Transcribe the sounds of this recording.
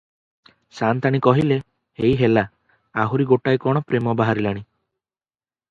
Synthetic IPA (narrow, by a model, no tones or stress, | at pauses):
sant̪aɽ̃ikɔɦile | hejɦela | aɦuɾiɡoʈajkɔɽ̃ɔpɾemɔbaɦaɾilaɽ̃i